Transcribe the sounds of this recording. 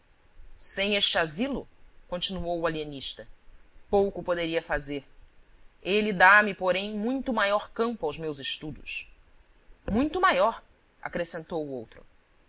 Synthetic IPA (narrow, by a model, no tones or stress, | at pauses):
sẽj̃eʃt͡ʃɪazilʊkõnt͡ʃinuowualieniʃt̪ɐpowkʊpod̪eɾiɐfazeɾ | elid̪amɪpoɾẽj̃mũj̃t̪ʊmajɔɾkɐ̃mpʊawzmewzɪʃt̪ud̪ʊ̰s | mũj̃t̪ʊmajɔɾ | a̰kɾesẽnt̪owʊowt̪ɾʊ